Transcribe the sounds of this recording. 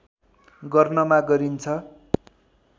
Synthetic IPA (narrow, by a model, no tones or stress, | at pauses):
ɡʌrnʌmaɡʌɾint͡sʰʌ